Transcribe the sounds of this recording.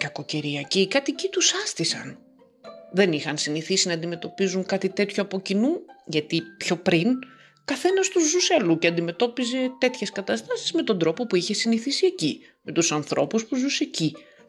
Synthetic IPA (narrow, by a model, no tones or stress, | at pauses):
kɐko̞ce̞ɾiɐcikɐt̪icit̪usɐst̪isɐ̰n | ðe̞nixɐnsiniθisinɐːnd̪ime̞t̪o̞pizuŋkɐt̪it̪e̞t̪çoɐpo̞cinuʝɐt̪ipço̞pɾin | kɐθe̞nɐst̪uzːuseluceɐnd̪ime̞t̪o̞pize̞t̪e̞t̪çe̞skɐt̪ɐst̪ɐsi̥zme̞t̪o̞nd̪ɾo̞popuiçe̞siniθisieci | me̞t̪usɐnθɾo̞̰puspuzuse̞ci